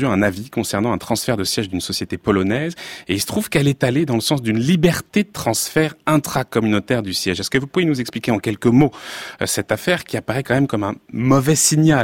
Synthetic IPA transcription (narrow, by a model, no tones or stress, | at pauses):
yɛ̃navikɔ̃sɛʁnɑ̃ɛ̃t̪χɑ̃sfɛʁd̪əsjɛʒd̪ynsɔsjet̪epɔlɔnɛzeilsə̥t̪χuv̥kɛlɛt̪aled̪ɑ̃ləsɑ̃s̬d̪ynlibɛʁt̪ed̪ət̪χɑ̃sfɛʁɛ̃t̪χakɔmynot̪ɛʁd̪ysjɛʒɛskəvupuvjenuzɛksplikʲeɑ̃kʲɛlkəmosɛt̪afɛʁkʲiapaʁɛkɑ̃mɛmkɔmɛ̃mɔvɛsiɲja